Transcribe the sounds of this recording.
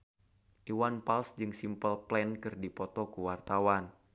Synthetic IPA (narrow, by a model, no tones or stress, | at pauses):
ʔiwanpalsd͡ʒɨŋsimpəlplɛnkɨrdipɔt̪ɔkuwart̪awan